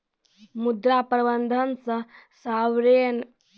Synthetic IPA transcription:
mud̪ɾapɾɐbənd̪ʱənt͡səsaʋɾen

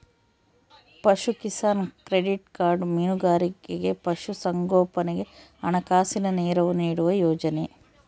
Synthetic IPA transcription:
pɐʃukisaːnkɾeɖiʈkaːɾɖminuɡaːɾikeɡe̞pɐʃusɐŋɡɔːpɐneɡe̞ | ɐɳɐkaːsinɐneːɾɐʋuniːɽuʋɐjɔːd͡ʒɐne

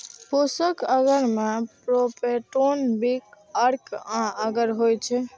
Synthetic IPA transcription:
posəkəɡəɾmepɾopeʈonbik | əɾkãəɡəɾɦojt͡ʃʰɛ

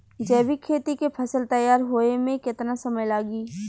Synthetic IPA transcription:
d͡ʒɛːʋikʰeːt̪ikepʰɐsəlt̪ɐjaːɾɦoːemẽkɪt̪nasɐməjlaːɡiː

